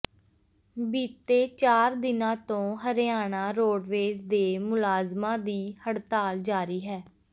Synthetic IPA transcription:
biːt̪eːt͡ʃaːɾd̪ɪnãːt̪õːɦəɾjaːɳ̃aːɾoːɖʋeːd͡ʒd̪eːmʊlaːzmãːd̪iːhəɽt̪aːld͡ʒaːɾiːɦɛː

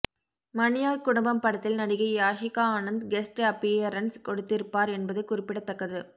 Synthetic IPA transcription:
mɐnɪjaːɾkʊɽɐmbɐmpɐɽɐt̪ːɪlnɐɽɪɣɐɪjaːʂɪkːaːaːnɐnd̪ɡɛsʈeɐpːiɐɾɐnskɔɽɯt̪ːɪɾɯpːaːɾɛnbɐðɯkʊrɪpːɪɽɐt̪ːɐkːɐðɯ

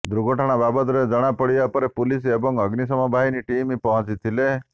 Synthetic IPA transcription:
d̪ɾuɡɔʈʰaɽ̃ababət̪ɾed͡ʒəɽ̃apəɽijapəɾepuliseebɔŋɡəɡnis̬ɔmɔbʱaɦiniʈimipɔɦɔ̃t͡ʃit̪ʰile

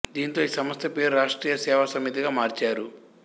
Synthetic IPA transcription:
d̪iːnt̪o̞ːiːsɐmɐst̪ʰɐpeːɾuɾaːʂʈɾiːjɐsɛːʋɐsɐmːit̪iɡaːmaːɾt͡ʃaːɾu

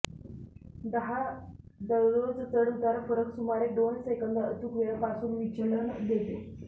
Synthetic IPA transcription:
d̪əɦad̪əɾɾod͡zt̪əɽut̪aɾfəɾəksumaɾeɖ̪onsekənd̪əət̪ukʋeɭəpasuːnʋit͡ɕəɭənd̪et̪e

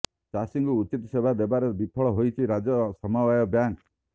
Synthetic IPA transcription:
t͡ʃasiŋɡuut͡ʃit̪ɔsebʱad̪ebaɾebipʰɔɭɔɦojt͡ʃʰiɾad͡ʒɔsɔmawajɔbjaŋk

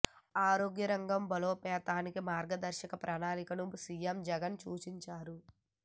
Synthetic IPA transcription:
aːɾoːɡjɐɾɐŋɡɐmbɐloːpɛːt̪aːnikimaːɾɡɐd̪ɐɾʃɐkɐpɾʔɐnaːnikɐnusiemd͡ʒɛɡɐnt͡ʃuːt͡ʃiɲt͡ʃaːɾu

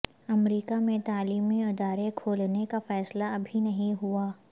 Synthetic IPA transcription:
ɐmɾiːkamẽt̪aːliːmiʊd̪aːɾekʰoːlnekafɛːslaɐbʱinɐɦĩɦuaː

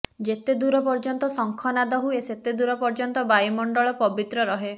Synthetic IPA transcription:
d͡ʒet̪ed̪uɾɔpɔɾd͡ʒɔnt̪ɔsɔŋkʰɔnad̪ɔɦueset̪ed̪uɾɔpɔɾd͡ʒɔnt̪ɔbajmɔɳɖɔɭɔpɔbit̪ɾɔɾɔɦe

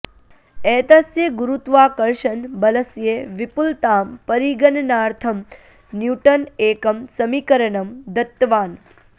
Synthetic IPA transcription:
eːt̪ɐsjeɡuɾut̪ʋaːkɐɾʃɐnbɐləsjeʋipult̪aːmpɐɾiɡənnaːɾt̪ʰɐm | njuːʈəneːkɐmsɐmikəɾənɐmd̪ɐt̪ːʋaːn

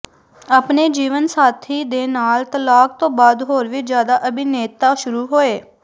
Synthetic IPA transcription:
aːpneːd͡ʒiːʋənsaːt̪ʰiːd̪eːnaːlt̪əlaːk̚t̪õːbaːd̪ɦoːɾʋiːd͡ʒjaːd̪aːʔəbiːneːt̪aːʃʊɾuːɦoːeː

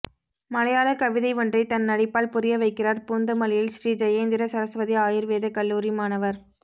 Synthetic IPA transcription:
mɐlɐjaːɭɐkɐʋɪðɐɪʋɔndrɐɪt̪ɐnːɐɽɪpːaːlpʊrɪjɐʋɐɪkːɪraːɾpuːnd̪ɐmɐlɪjɪlʃɾiːd͡ʒɐjɐːnd̪ɪɾɐsɐɾɐsʋɐðiaːjɪɾʋeːðɐkɐlːuːɾimaːnɐʋɐɾ

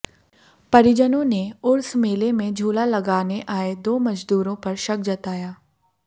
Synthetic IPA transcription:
pɐɾɪd͡ʒənõneʊɾsmeːlemẽd͡ʒʱuːlalɐɡaːneʔaːed̪oːmɐd͡ʒd̪uːɾõpɐɾʃɐk̚d͡ʒɐt̪aːjaː

